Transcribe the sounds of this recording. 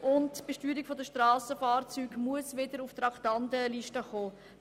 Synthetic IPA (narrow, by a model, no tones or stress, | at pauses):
ʔʊntb̥əʃtyːɾikfodəʃtɾɑːsəfɑːrt͡syːɡmuəsʋɪdəɾuftɾɑktɑndəliʃtəχoː